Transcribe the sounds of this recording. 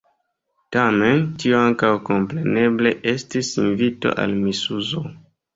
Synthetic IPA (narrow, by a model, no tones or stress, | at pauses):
tame̞ntioaŋkawko̞mpɾe̞ne̞ble̞ʔe̞stisinvito̞̰ʔa̰lmisuzo